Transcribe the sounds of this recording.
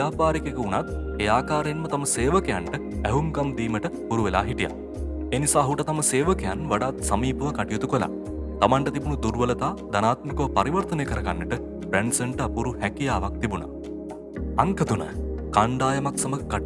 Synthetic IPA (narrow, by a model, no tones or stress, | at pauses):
aːpaːɾikekəunat̪̚ | eaːkaːɾejnmət̪aməseːʋəkejaɳʈə | ɛɦumkɐmd̪iːməʈəpuɾuʋela̰ːɦiʈija̰ | eːnisaːɦuʈɐt̪ɐməseːʋəkejanʋaɖaːt̪sɐmiːpəʋəkaʈijut̪ukola̰ | t̪amaɳʈət̪ibunud̪uɾʋələt̪aːd̪ɐnaːt̪mikopɐɾiʋɐɾt̪əneːkəɾɐɡanːəʈə | bɾeɳɖsenʈapuɾuhɛkijaːʋak̚t̪ibunɐ̰ | ɐŋkəd̪unə̰kaɳɖaːjɐmaksɐməka